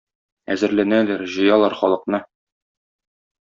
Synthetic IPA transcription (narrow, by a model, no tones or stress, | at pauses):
æzɘ̆ɾlænælæɾʑɤ̆jɑlˠɑɾχɒlˠɤ̆qnɤ